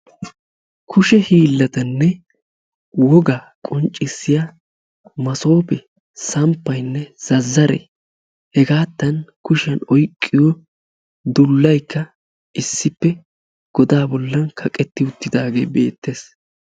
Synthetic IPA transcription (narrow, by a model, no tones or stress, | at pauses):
kʰʊʃɛhiːlːɐt̪ɐnːɛ | wɔɡɐ | kʼɔnt͡ʃʼːɪsːɪja | mɐso̞ːpɛ | sɐmpːɐjnːɛz̥ɐzːɐɾɛ̰ | hɛɡaːt̪ːɐnkʊʃɐnɔjkʼːɪjɔ | d̪ʊlːɐjkːɐ | ɪsːɪpːɛ | ɡ̥ɔd̪aːbɔlːɐnkʰɐkʼɛt̪ːɪʊt̪ːɪd̪aːɡe̞ːbe̞̰ːt̪ːe̞ːs